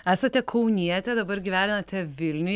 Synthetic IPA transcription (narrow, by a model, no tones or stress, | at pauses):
æːsɐt̪ʲɛkʰɐʊnʲiɛt̪ʲɛd̪ɐbɐɾɡʲiːʋʲæːnʲɪnɐt̪ʲɛʋʲɪlʲnʲʊ